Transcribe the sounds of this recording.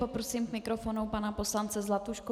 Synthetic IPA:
popɾosiːmkmɪkɾofonupanapo̞slant͡sɛzlat̪uʃku

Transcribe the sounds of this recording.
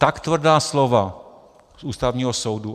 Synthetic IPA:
t̪akt̪vr̩daːslova | sʔuːst̪avɲiːɦosowdu

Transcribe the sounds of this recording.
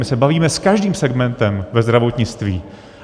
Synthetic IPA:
mɪsɛbaviːmɛskaʒdiːmsɛɡmɛnt̪ɛmvɛzd̪ɾavo̞t̪ɲɪt͡st̪vḭː

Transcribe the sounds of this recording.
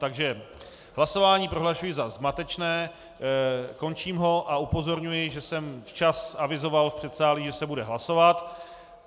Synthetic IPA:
t̪aɡʒɛ | ɦlaso̞vaːɲiːpɾo̞ɦlaʃujɪzazmat̪ɛt͡ʃnɛː | ko̞nt͡ʃiːmɦo̞ʔaupo̞zo̞ɾɲujɪʒɛsɛmft͡ʃasavɪzo̞valfpr̝̥ɛt̪saːliʒɛsɛbudɛɦlaso̞vat̪

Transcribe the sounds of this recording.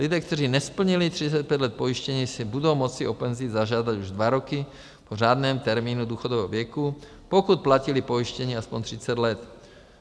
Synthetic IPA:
lid̪ɛːkt̪ɛriːnɛspl̩ɲilit̪r̝it͡sɛc̪̚pjɛɟ̪lɛt̪̚poiʃcɛɲiːsibud̪owmɔt͡siopɛnziːd̪zaʒad̪aɟuʒd̪ʋaɾɔki | poʒaːd̪nɛːmt̪ɛɾmiːnud̪uːxɔd̪ovɛːɦɔvjɛku | pokut̪̚placilipoiʃcɛɲiːaspɔɲt̪r̥it͡sɛd̪lɛt̪

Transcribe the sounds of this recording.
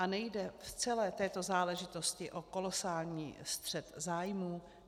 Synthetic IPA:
ʔanɛjdɛft͡sɛlɛːt̪ɛːt̪o̞zaːlɛʒɪt̪o̞scɪʔo̞ko̞lo̞saːlɲḭːst̪r̝̥ɛt̪zaːjmuː

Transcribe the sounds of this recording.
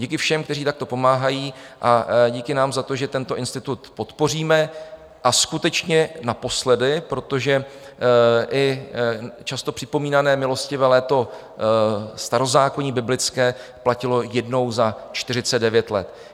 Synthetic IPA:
ɟiːkɪfʃɛmkt̪ɛr̝iːt̪akt̪o̞po̞maːɦajiːʔaɟiːkɪnaːmzat̪o̞ʒɛt̪ɛnt̪o̞ʔɪnst̪ɪt̪ut̪po̞t̪po̞r̝iːmɛ | ʔaskut̪ɛt͡ʃɲɛnapo̞slɛdɪpɾo̞t̪o̞ʒɛ | ʔɪ | t͡ʃast̪o̞pr̝̥ɪpo̞miːnanɛːmɪlo̞scɪvɛlɛːt̪o̞ | st̪aɾo̞zaːkoɲiːbɪblɪt͡skɛː | placɪlo̞jɛdno̞wzat͡ʃt̪ɪrɪt͡sɛddɛvjɛt̪lɛ̰t̪

